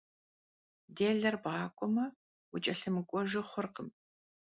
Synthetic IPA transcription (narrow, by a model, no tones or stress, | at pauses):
deːɮɐrbʁɑːkʷʼɔmɐ | wʊt͡ʃʼɐɬɨmɨkʷʼɔʒɪχʷʊrqəm